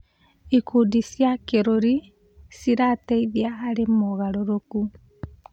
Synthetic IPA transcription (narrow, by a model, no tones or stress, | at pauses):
ikudisjakeɾoɾi | siɾateiðiaːɾemoɣaɾoɾoku